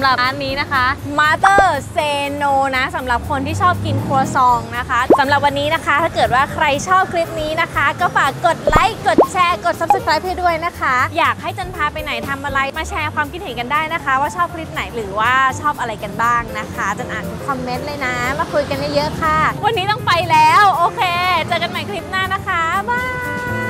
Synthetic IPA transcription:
mɾa˨˩˧nːiː˦˥na˦˥kʰa˦˥maː˧˥t̪ɤː˥˩seː˧noː˧na˦˥sa˩˦mɾa˨˩p̚kʰo˧nt̪ʰiː˥˩t͡ɕʰɔː˥˩p̚ki˧nkʰu˧ɐsɔː˧ŋna˦˥kʰa˦˥sa˩˦mɾa˨˩p̬̚wa˧nːiː˦˥na˦˥kʰa˦˥t̪ʰaː˥˩kɤː˨˩t̪̚waː˥˩kʰɾa˧jt͡ɕʰɔː˥˩p̚kʰɾi˦˥p̚niː˦˥na˦˥kʰa˦˥kɔː˥˩faː˨˩kːo˨˩t̪̚la˦˥jko˨˩t̪̚t͡ɕʰɛː˧ko˨˩t̪̚sa˧˦p̚sa˨˧˩kʰɾaː˦˥jp̚ha˥˩du˥˩əjna˦˥kʰa˦˥jaː˨˩k̚ha˥˩jt͡ɕɤː˧npʰaː˧pa˧jna˨˩jt̪ʰa˧mʔa˧ɾa˧jmaː˧˩t͡ɕʰɛː˧kʰwaː˧mki˧t̪̚he˨˩˦nka˧ndaː˥˩jna˦˥kʰa˦˥waː˥˩t͡ɕʰɔː˥˩p̚kʰɾi˦˥p̚na˩˦jɾɯː˩˦waː˥˩t͡ɕʰɔː˥˩p̚ʔa˧ɾa˧jka˧nbaː˥˩ŋna˦˥kʰa˦˥t͡ɕa˨˩ʔa̰ː˨˩˧kʰɔ˧mːe˦˥nlɤː˧jna˦˥maː˧˥˩kʰu˧jka˧njaː˥˩jɤ˦˥ʔkʰa˥˩wa˧nːiː˦˥t̪ɔ˥˩ŋpa˧jlɛː˦˥wʔoː˧kʰeː˧t͡ɕɤː˧ka˧nma˨˩˦jkʰɾi˦˥p̚naː˥˩na˦˥kʰa˦˥baː˥˩

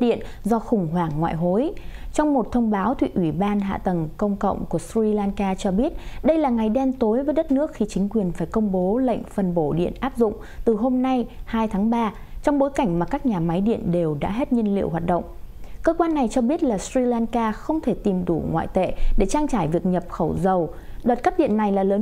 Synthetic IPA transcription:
ɗḭ˧˨ən | zɔ˧xʊ˨˩ŋ͡mɦwaː˧˩ŋːwa̰ː˧˨jɦo˨˦jt͡ɕɔ˧wŋ͡mmo˨˩t̚t̪ʰə˧wŋ͡mɓaː˨˦wt̪ʰwḭ˧˨ʔwi˧˩ɓaː˧nɦa̰ː˧˨t̪ə˨˩ŋkə˧wŋ͡mkə̰˧˨wŋ͡mku˧˩əsɹi˧laː˧nkaː˧t͡ɕɔ˧ɓi˦˥ət̚ɗə˧jlaː˨˩ŋa˨˩jɗɛ˧mt̪o˨˦jvəː˨˦jɗə˦˥t̚nɨ˦˥ək̚xi˧˩t͡ɕï˨˦ŋ̟kwi˨˩ənfaː˧˩jkə˧wŋ͡mɓo˨˦lə̰˧˨jŋ̟fə˨˩nɓo˧˩ɗḭ˧˨ənʔaː˦˥p̚zʊ̰˧˨ŋ͡m | t̪ɨ˨˩ɦo˧mna˧jhaː˧jt̪ʰaː˨˦ŋɓaː˧ | t͡ɕɔ˧wŋ͡mɓo˨˦jka˧˩jŋ̟maː˨˩kaː˦˥k̚ɲaː˨˩ma˨˦jɗḭ˧˨ənɗe˨˩wɗa̰ː˧˥ɦe˦˥t̚ɲi˧ənlḭ˧əwɦwaː˨˩t̚ɗə̰˧˨wŋ͡mkəː˧kwaː˧nːa˨˩jt͡ɕɔ˧ɓi˦˥ət̚laː˨˩sɹi˧laː˧nkaː˧xə˧wŋ͡mt̪ʰe˧˩t̪i˨˩mɗu˧˩ŋwa̰ː˧˨jt̪ḛ˧˨ɗe˧˩t͡ɕaː˧ŋt͡ɕaː˧˩jvi˨˩ək̚ɲə˨˩p̚xə˧˩wzə˨˩w | ɗəː˨˩t̚kaː˦˥k̚ɗḭ˧˨ənːa˨˩jlaː˨˩ləː˨˦

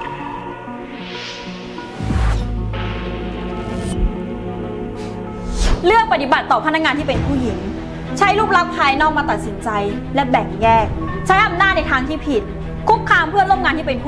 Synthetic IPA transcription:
lɯ˥˩ək̚pa˧t̪i˨˩ba˨˩t̪ːɔː˨˩pʰa˧˥na˦˥ŋaː˧nt̪ʰiː˥˩pe˧npʰuː˥˩ji˩˦ŋ | t͡ɕʰa˦˥jluː˥˩p̚la˦˥k̚t̪ʰa˧jnɔː˥˩k̚maː˧t̪a˨˩t̪̚si˩˦nt͡ɕa˧j | lɛ˦˥bɛ˨˩ŋjɛː˥˩k̚t͡ɕʰa˦˥jʔa˧mnaː˥˩t̪̚na˧jt̪ʰaː˧ŋt̪ʰiː˥˩pʰi˨˩t̪̚ | kʰu˦˥p̚kʰːaː˧mpʰɯ˥˩əɾo˥˩mŋa˧nt̪ʰiː˥˩pe˧npʰː

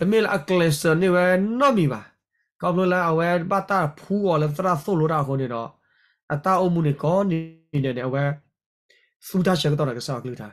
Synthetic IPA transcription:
lə˨me˦˨lɛ̰˦˨ʔə˨klɛ˨sə˨ne˦˨wɛ˦nɔ˦˨mi˨ba̰˨ | kɔ˨pʰlo˦lɛ˦ʔə˨wɛ˦ba˦˨t̪a˦˨pʰu˨˦kɔ˨lɛ˧˦t̪ə˦ɾa˦˨θo˦˨lo˨˦da˦˨ə˨kʰo˨ne˨nɔ˨˦ | ʔə˨t̪a˦˨ʔo˦˨mu˨ne˨kɔ˨˦ni˨nɛ˨nɛ̃˨ə˨wɛ˦ | θu˦tʰa˦˨ʃɛ˨kə˦t̪̬ɔ˦˨na˨kə˨sa˦˨a˨kəlɨ˦˨tʰa˨

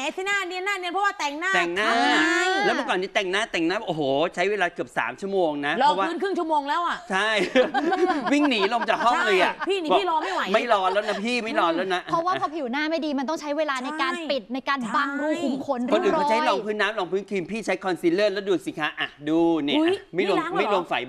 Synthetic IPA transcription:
ɛ˨˦sa˧˩naː˥˩ni˧ənːaː˥˩ni˧ənpʰɔ˦waː˥˩t̪ɛ˨˩ŋnaː˥˩t̪ɛ˨˩ŋnaː˧˥˩lɛ˦˥mɔ˧˩kɔː˨˩ni˦˥t̪ɛ˨˩ŋnaː˥˩t̪ɛː˨˩ŋnaː˦˥˩ʔoː˨˩ɦoː˨˩˦t͡ɕʰa˦jweː˧laː˧kɯ˨˩əp̚sa̰ː˩˦mt͡ɕʰu˥˩ə˩moː˧ŋna˦˥ʔplɔ˧ɔ˦˥waː˥ɯː˦˥nkʰɯ˥˩ŋt͡ɕʰu˥ə˨moː˧ŋlɛː˦˥wʔa˨˩t͡ɕʰa˥˩j | wi˥˩ŋniː˩˦lo˧mt͡ɕaː˨˩k̚hɔ˥˩ʔɤː˧jʔa˨˩pʰiː˥˩i˨˦bɔː˨˥˩lɔː˧ma˥˩jwa˨˦ma˥˧˩jlɔː˧lɛː˦˥wna˦˥pʰiː˥˩ma˥˩jlɔː˧lɛː˦˥wna˦˥ʔʰɔ˦˥waː˥˨pʰɔ˧pʰi˨˩wnaː˥˩ma˥˩jdiː˧ma˧nt̪ɔ˥˩ŋt͡ɕʰa˦˥jweː˧laː˧na˧jkaː˧npi˨˩t̪̚na˧jkaː˧nba˨˩ŋɾuː˧kʰu˨˩˦mkʰo˧˦nɔ˧duː˧ɔ˧t͡ɕʰa˦˥jlɔː˧ŋpʰɯː˦˥nːaː˦˥mlɔː˧ŋpʰɯː˦˥nkʰi˧mpʰiː˥˩t͡ɕʰa˦˥jkʰɔ˧nsiː˧˦lɤː˥˩lɛ˦˥˩duː˧˩si˨˦kʰaː˨˦ʔa˨˩duː˧ni˧˩ma˥˩jlu˧ma˥˩jlo˧əmfa̰˨˩j

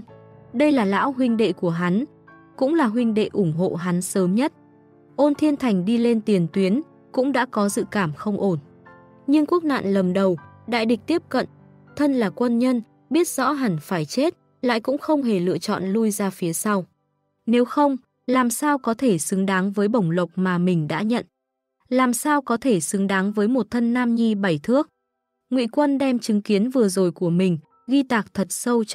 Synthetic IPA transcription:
ɗə˧jlaː˨˩la̰ː˧˥wɦwï˧ŋ̟ɗḛ˧˨ku˧˩əɦa˨˦n | kʊ̰˧˥ŋ͡mlaː˨˩ɦwï˧ŋ̟ɗḛ˧˨ʔʊ˧˩ŋ͡mɦo̰˧˨ɦa˨˦nsəː˨˦mɲə˦˥t̚ | ʔo˧nt̪ʰi˧ənt̪ʰa˨˩jŋ̟ɗi˧le˧nt̪i˨˩ənt̪wi˨˦ən | kʊ̰˧˥ŋ͡mɗa̰ː˧˥kɔ˨˦zɨ̰˧˨kaː˧˩mxə˧wŋ͡mʔo˧˩n | ɲɨ˧ŋku˦˥ək̚na̰ː˧˨nlə˨˩mɗə˨˩wɗa̰ː˧˨jɗi˨˩k̚t̪i˦˥əp̚kə̰˧˨n | t̪ʰə˧nlaː˨˩kwə˧nɲə˧n | ɓi˦˥ət̚z̥ɔ̰˧˥ɦa˨˧˩nfaː˧˩jt͡ɕe˦˥t̚ | la̰ː˧˨jkʊ̰˧˥ŋ͡mxə˧wŋ͡mɦe˧˩lɨ̰˧˨ət͡ɕɔ̰˧˨nlu˧jzaː˧fi˨˦əsa˧w | ne˨˦wxə˧wŋ͡m | laː˨˩msaː˧wkɔ˨˦t̪ʰe˧˩sɨ˨˦ŋɗaː˨˦ŋvəː˨˦jɓə˧˩wŋ͡mlə˨˩wk͡p̚maː˨˩mï˨˩ŋ̟ɗa̰ː˧˥ɲə̰˧˨n | laː˨˩msaː˧wkɔ˨˦t̪ʰe˧˩sɨ˨˦ŋɗaː˨˦ŋvəː˨˦jmo˨˩t̚t̪ʰə˧nːaː˧mɲi˧ɓa˨˧˩jt̪ʰɨ˦˥ək̚ | ŋwḭ˧˨kwə˧nɗɛ˧mt͡ɕɨ˨˦ŋki˨˦ənvɨ˨˩əzo˨˩jku˧˩əmï˨˩ŋ̟ | ɣi˧t̪aː˨˩k̚t̪ʰə˨˩t̚sə˧w

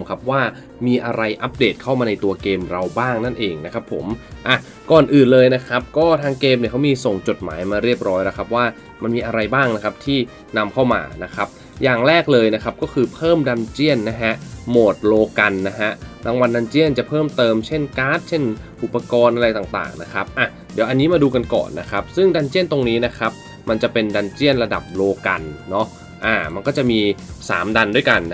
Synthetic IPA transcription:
mkʰa˦˥p̚waː˥˩ | miː˧ʔa˧ɾa˧jʔa˦˥p̚deː˨˩t̪̚kʰa˥˩wmaː˧na˧jt̪u˧ɐkeː˧mɾa˧wbaː˥˩ŋna˥˩nʔeː˧ŋna˦˥kʰa˦˥pʰːo̰˩˦mʔa˧˨˩ | kɔː˨˩nʔɯː˨˩nlɤː˧jna˦˥kʰɾa˦˥p̚kɔː˥˩t̪ʰaː˧ŋkeː˧mni˧˩kʰwmiː˧so˨˩ŋt͡ɕo˨˩t̪̚ma̰ː˩˦jmaː˧ɾi˥˩əp̚ɾɔː˦˥jla˦˥kʰa˦˥p̚waː˥˩ | ma˧nmiː˧ʔa˧ɾa˧jbaː˥˩ŋna˦˥kʰa˦˥p̚t̪ʰiː˥˩ | na˧mkʰa˥˩wma̰ː˧na˦˥kʰa˦˥p̚ | jaː˨˩ŋɾɛː˥˩k̚lɤː˧jna˦˥kʰa˦˥p̚kɔː˥˩kʰɯː˧pʰɤː˥˩mda˧mt͡ɕi˥˩ənːa˦˥ɦʰɛ˦˥ʔmoː˨˩t̪̚loː˧ka˧nːa˦˥ɦa˦˥ʔla˧˥ŋwa˧nda˧nt͡ɕi˥˩ənt͡ɕa˨˩pʰɤː˥˩mt̪ɤː˧mt͡ɕʰe˥˩nkaː˦˥t̪̚t͡ɕʰe˥˩nʔu˨˩pːa˧kɔː˧nʔa˧ɾa˧jt̪aː˨˩t̪a̰ː˨˩ŋna˦˥kʰa˦˥p̚ʔa˨˩ | di˩˦ʔa˧nːiː˦˥maː˧duː˧ka˧nkɔ̰ː˨˩nːa˦˥kʰa˦˥p̚sɯ˥˩ŋda˧nt͡ɕi˥˩ənt̪o˧ŋniː˦˥na˦˥kʰa˦˥p̚ | ma˧nt͡ɕa˨˩pe˧nda˧nt͡ɕi˥˩ənɾla˧da̰˨˩p̚loː˧ka̰˧nːɔ˦˥ | ʔaː˨˩ma˧nkɔː˥˩t͡ɕa˨˩ʔmiː˧sa̰ː˩˦mda˧ndu˥˩əjka˧n

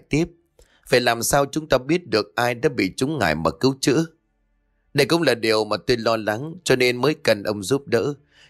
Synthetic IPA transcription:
jt̪i˦˥əp̚ | ve˨˩laː˨˩msaː˧wt͡ɕʊ˨˦ŋ͡mt̪aː˧ɓi˦˥ət̚ɗɨ˨˩ək̚ʔaː˧jɗa̰ː˧˥ɓḭ˧˨t͡ɕʊ˨˦ŋ͡mŋa̰ː˧˩jmaː˨˩kɨ˨˦wt͡ɕɨ̰˧˥ | ɗə˧jkʊ̰˧˥wŋ͡mlaː˨˩ɗi˨˩əwmaː˨˩t̪o˧jlɔ˧la˨˦ŋt͡ɕɔ˧ne˧nməː˨˦jkə˨˩nʔə˧wŋ͡mzu˦˥p̚ɗə̰ː˧˥

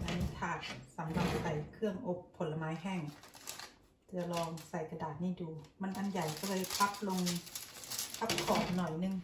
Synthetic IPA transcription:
ʔa˧˨niː˧˥˨t̪ʰaː˧˩k̚sa˨˦mla˧˩ŋ̚sa˧˩jkʰɯ˧˩əmʔo˧˦pʰːo˨˦lːa˧maː˨˦jɦɛː˧˩˨ŋ | t̪ʰɯ˧ɐlɔː˧ŋsa˧˩jka˧daː˨˩t̪̚niː˧˥˩duː˧ma˧˥˨nʔa˧˨nja˨˩jka˧˩lɤː˧pʰa˦˥k̚lo˧ŋnɯ˧ŋ | pʰa˧˦˥p̚kʰɔː˨˩˦ŋnɔ˨˩jnɯ˧ŋ

